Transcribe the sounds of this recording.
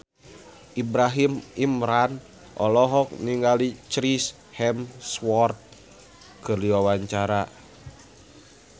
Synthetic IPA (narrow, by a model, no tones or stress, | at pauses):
ʔibɾaɦimimɾan | ʔɔ̰lɔɦɔk̚niŋɡalit͡ʃɾis | hɛmswɔrt̪̚ | kɨrdiwawaɲt͡ʃaɾa